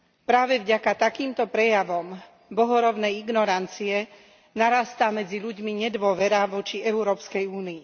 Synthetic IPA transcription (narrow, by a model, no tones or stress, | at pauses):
pɾaːʋɛvɟakat̪akiːmt̪ɔpɾɛjaʋɔm | bɔɦɔɾɔbnɛjiɡnɔɾant͡siɛ | naɾast̪amɛd͡ziʎuɟmiɲɛd̪ʋʊɔʋɛɾaʋɔt͡ʃiɛuɾɔːpskɛjuːniː